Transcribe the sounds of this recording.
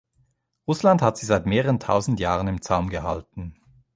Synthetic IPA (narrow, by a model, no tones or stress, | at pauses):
ʁʊslandhatz̥iːzaɪtmeːʁəʁəntʰa̰ʊzn̩tjaːʁənɪmt͡saʊmɡəha̰ltn̩